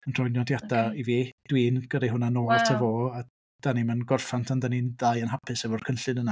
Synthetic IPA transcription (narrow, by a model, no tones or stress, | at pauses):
ənr̥ɔjnjɔdjadaiviːd̥wiːnɡ̥ədaɦʊnanoːrtʰəvoːa | d̥animanɡɔrfantʰandanindajənɦapʰɨsɛvɔr̥kʰənɬɨnəna